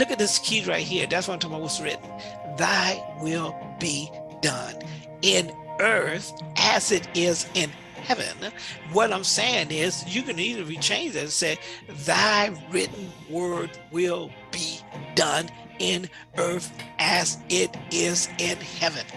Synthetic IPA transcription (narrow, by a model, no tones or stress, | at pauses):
lʊkɨt̪̚ðɪskʰidɹaɪt̚hiɹðætswʌ̃ntʰãɪ̃maɪwʌzɹɪ̰ʔn̩ | ðaɪwɪlˠb̥id̥ʌ̃n | ɪ̃nɜ˞θʔɨzɪɾɪzɪ̃n | hɛvɨ̰̃nwʌɾãɪ̃mseɪɪ̃ŋɪzjɨkɨ̃nizɨ̃ɹit͡ʃʰẽɪ̃nd͡ʒɨseɪðaɪɹɪʔn̩wɜ˞d̚wɪlˠ | b̥idʌ̃n | ɪ̃n | ɜ˞θʔɨzɪɾɪzɪ̃nhɛvɨ̰̃n